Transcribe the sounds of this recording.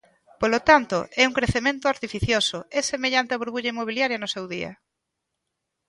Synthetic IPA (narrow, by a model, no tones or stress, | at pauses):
polot̪ant̪ʊʔɛuŋkɾeθemẽnt̪ʊaɾt̪ifiθjosoɛsemeʎant̪eɪɐβuɾβuʎɐimoβ̞iljaɾjɐnʊsɛwðiɐ̰